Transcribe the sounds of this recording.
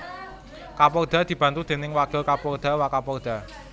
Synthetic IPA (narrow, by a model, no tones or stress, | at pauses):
kapɔrd̪̥a̤d̪̥i̤b̥ä̤nt̪ud̪̥e̤nɪŋwakʊlkapɔrd̪̥a̤wakapɔrd̪̥a̤